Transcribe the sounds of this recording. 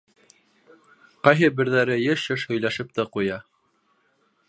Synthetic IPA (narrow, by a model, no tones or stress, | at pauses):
qɑjɦɤbɘ̆ɾðæɾɘjɘʃɘʃhɵ̆jlæʃɘp̚t̪ɘqujɑ